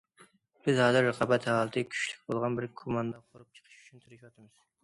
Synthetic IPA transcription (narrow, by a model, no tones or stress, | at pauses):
b̥ɪzhɑːzɨɾːəqʰɑbɛt̪hɑːlˠət̪ʰɨkʲʰy̥ʃly̥k̚ʲbolˠʁɑnbɪɾkʰumɑnd̪ɑqʰoɾup̚t͡ʃʰə̥qʰə̥ʃy̥t͡ʃʰynt̪ʰɨɾɪʃɑt̪ɨmɨz̥